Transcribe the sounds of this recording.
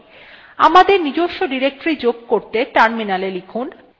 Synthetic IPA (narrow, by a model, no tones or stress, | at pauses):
a̰mad̪eɾnid͡ʑoʃːoɖiɾek̚ʈɾid͡ʑoɡ̚koɾt̪eʈanminalelikʰun